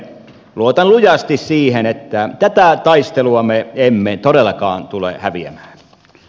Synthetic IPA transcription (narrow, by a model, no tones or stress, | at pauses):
luot̪ɑnlujɑst̪issiːhenet̪ːæt̪æt̪æt̪ɑist̪eluɑmeemːet̪oɾelːɑkɑ̰ːnt̪ulḛhæʋiæ̰mæːn